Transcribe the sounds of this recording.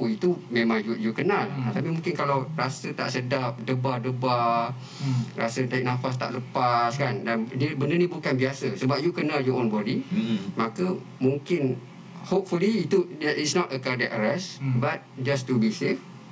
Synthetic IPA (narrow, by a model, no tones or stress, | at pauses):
it̪umẽmãŋjujukənãlt̪apimũŋkɪnkalawrasət̪a̰ʔsədap̚dəbadəba | rasət̪aiʔk̚nãfas̬t̪a̰ʔləpaskandandəbəndənĩbukanbiasəsəbap̚jukənaljɔʔonbɔdimakə | mũŋkɪn | hop̚fuliːt̪uitsnɔtəkadɛt̚əɾɛsbat̚d͡ʒastubisef